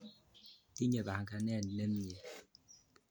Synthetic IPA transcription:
ti˦ɲe˨ba˨ŋka˦nɛ˦˨nː˨e˦m̩˦ɲe˨

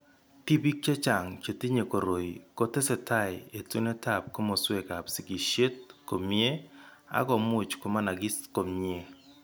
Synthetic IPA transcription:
ti˦pi˦k̚t͡ʃe˦t͡ʃa˨ŋt͡ʃe˨ti˦ɲe˨ko˨ɾo˨i˨ko˦tɛ˦sɛ˨ta˦˨ɪ˨e˨tu˦ne˦ta˦˨p̚ko˦mo˨swe˦˨ka˨psi˨ki˨ʃe˦t̚ko˨mje˦a̰˦ɡɔ˨mʊ˦t͡ʃko˨ma˦na˨ɡɪ˦sko˨me˦

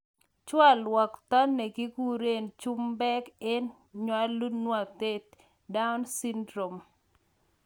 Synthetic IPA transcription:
t͡ʃwa˦lwa˨kt̪a˦ne˨ɡɪ˦ɡu˦ɾe˦nt͡ʃu˦mbɛ˦kɛ˦n | ɲwa˦lu˦nwa˨t̪e˦t̪ | da˦ʊ˦nsi˦ndɾo˨m

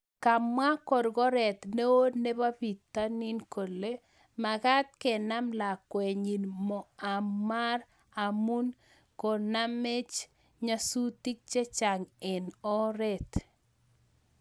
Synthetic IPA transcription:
ka˨mwa˦kɔ˨ɾɡɔ˦ɾɛ˨t̪ne˦o˦dne˦βa˦bi˨t̪ːa˦nɪ˦nko˨le˦ | ma˨ɣa˦t̪kɛ˨na˦mla˨kwe˨ɲi˨nmɔ˨a˨mːa˦ɾ | a˨mu˦n | kɔ˨na˦me˦t͡ʃ | ɲa˦su˦ti˦k̚t͡ʃe˦t͡ʃa˨ŋɪ˨nɔ˦ɾɛ˨t̪

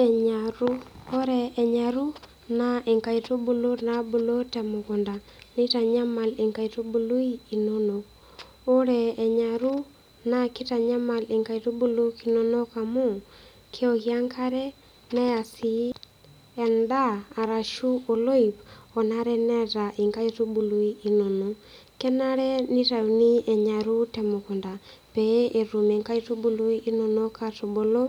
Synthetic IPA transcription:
ɛɲa˨ɾu˦o˦ɾɛː˨ɲaɾu˦ | nae˨ŋka˨i˨to˦bu˨lo˦nabu˨lo˦tɛ˨mo˨ɣɔ˨nda˨nɪ˦ta˨ɲa˦ma˨le˨ŋka˨ito˦bu˨lo˦i˦i˨no˦no˨k | o˦ɾɛː˨ɲa˨ɾu˦ | na˦ki˦ta˨ɲa˦ma˨le˨ŋka˨ito˦bu˦lo˦ki˨no˦no˦ka˨mo˦ | kʰe˦ɔki˨a˦ŋkʰa˦ɾɛ˦ | nɛ˦ja˨si˨ | ɛ˨ndaː˦˨ɾa˨ʃu˦o˨lo˦i˨pɔ˨na˦ɾɛ˦nɛ˦ta˨ʔi˨ŋka˦itu˦bu˨lu˨i˦i˦nɔ˨nɔ˨ | kɛ˦na˦ɾɛ˦ni˦ta˨u˨ni˦ɛ˨ɲa˨ɾu˦tɛ˨mɔ˨ku˨nda˨ | pɛ˦ʔe˨ɾu˨me˨ŋka˦i˦tu˦bu˦lu˦i˦i˦nɔ˨nɔ˦ka˨to˨bo˨lɔ˦

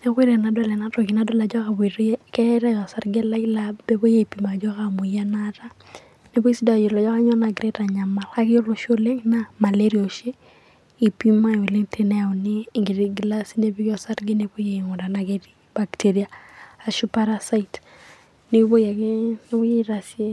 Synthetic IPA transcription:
ne˦kwe˦ɾɛ˨na˨dwa˦lɛ˨na˦tɔ˨ki˨na˦dwa˦la˨d͡ʒɔ˦ka˨be˨ɾkɛ˦ɾa˦jɔ˨sa˦ɾɡe˦la˦ɪ˦labe˦bo˦je˦i˨pima˨d͡ʒɔ˦ka˨mu˨ja˦na˦ta˦ | ne˦bo˦i˦si˦da˨jo˨lɔ˨d͡ʒɔ˦ka˦ɲɔ˦na˨ɡɾe˦ta˨ɲa˨ma˨la˦kɪ˦jo˦lo˨ʃo˦le˦ŋna˦ma˨le˦ɾi˨o˨ʃɪ˦ | i˨pi˦ma˦˨o˨le˦ŋtʰe˦nɛ˦˨ɔ˨nɪː˦˨ŋɡe˨ɾi˦ɡla˦si˦ne˦bi˦kɔ˨sa˦ɾɡe˦ne˨bo˦je˨i˨ŋɔ˨da˨naɡe˦ti | b̥a˨kte˦ɾiaa˨ʃu˦pa˦ɾa˦sa˦it | ne˦bo˦je˨kne˦bo˦je˦iɾa˨sje˦

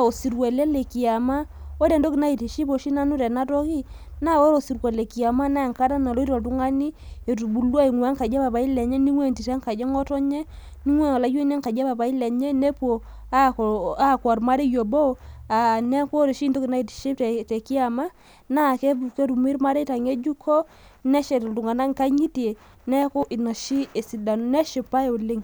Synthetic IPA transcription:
o˨si˨ɾwe˨le˦le˨ki˨a˨ma˦o˦ɾe˨ndo˦ki˨na˦i˨ti˨ʃi˦po˨ʃi˦na˦nu˦ɾɛ˨na˦tɔ˦ki˦ | na˦˨o˦ɾo˨si˨ɾwe˨le˨ki˨a˨ma˦na˦˨ŋka˦ta˦na˨lo˦i˦ɾo˨tu˦ŋa˦ni˦e˨tu˨bu˨lwa˦i˨ŋwɛ˨˦ŋka˨d͡ʒa˦pa˨pa˨i˦lɛ˨ɲɛ˦ni˦ŋwe˦˨nti˨tɛ˨˦ŋka˨d͡ʒe˦ŋɔ˦tɔ˦ɲe˦ | ni˦ŋwe˦˨la˨˦je˦ne˦ŋka˨d͡ʒa˦pa˨pa˨i˦lɛ˨ɲe˦ne˦po˨ | a˦ka˦˨kwa˨ɾma˦ɾe˦jo˨bo˦˨a˨nɛ˦ko˦ɾe˨ʃi˦nto˦ki˨na˦i˨tʃe˦ttɛ˨ki˦a˨ma˦ | na˦˨ke˦bu˨ke˦ɾu˨mi˦ɾma˦ɾe˦ta˨ŋe˦d͡ʒu˦kʰɔ˦ | nɛ˦ʃɛ˨tɔ˨ltu˨ŋa˨na˦ŋka˦ɲi˦te˨ | nɛ˦ko˦ʔi˨na˨ʃi˦e˨si˨da˨n˦nɛ˦ʃe˨pa˦e˦˨o˨le˦ŋ

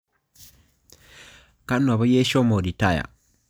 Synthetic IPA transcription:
ka˦n˨a˨βa˦je˦ʃo˦mo˨di˨ta˦˨ja̰˨

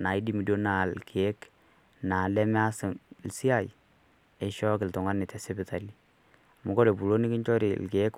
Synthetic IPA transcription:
na˨i˦di˦mi˨do˦na˨lke˨e˦k | na˨lɛ˦mɛ˦a˦sɪ˨ŋlsi˦a˦˨j | ɛ˨ʃɔ˦kɪ˨ltɔ˨ŋɡa˦nɪ˨tɛ˨sɛ˦bɪ˨ta˨li˦ | mʊ˨kɔ˦ɾe˨pu˨lo˦ni˦kɪ˦ɲt͡ʃɔ˦ɾḭ˨lkeː˨˦k

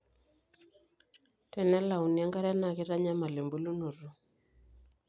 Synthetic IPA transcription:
tɛ˨nɛ˦la˨u˨ni˨a˦ŋɡa˦ɾa˦na˨ɣɪ˦ɾa˦ɲa˦ma˨le˨mbu˦lu˦no˨ɾu˦

